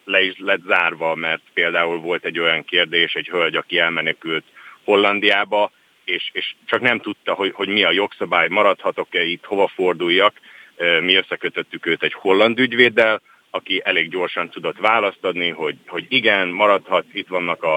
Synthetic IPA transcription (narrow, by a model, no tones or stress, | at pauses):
lɛiʃlɛt̪zaːrvɒmɛrt̪peːld̪aːulvo̞lt̪ɛɟːo̞jɒŋkeːrd̪eːʃɛɟhølɟɒkiɛlmɛnɛkylt̪ho̞lːɒnd̪ijaːbɒ | eːʃeːʃt͡ʃɒknɛmt̪ut̪ːɒɦo̞ho̞ɟmiɒjo̞ksɒbaːjmɒɾɒt̪hɒt̪o̞kɛit̪ho̞vɒfo̞rd̪ujːɒkømiø̞sːɛkøt̪ø̞t̪ːykøːt̪ɛɟho̞lːɒnd̪yɟveːd̪ɛl | ɒkiʔɛleːɡɟo̞rʃɒnt̪ud̪o̞t̪ʋaːlɒst̪ɒd̪niɦo̞ɟho̞ɟiɡɛnmɒɾɒt̪hɒt̪it̪ʋɒnːɒkɒ